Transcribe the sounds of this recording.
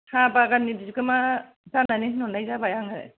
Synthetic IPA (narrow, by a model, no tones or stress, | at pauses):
habaɡanibizikɯma | tananehnɔnajzabajaŋaɾḛ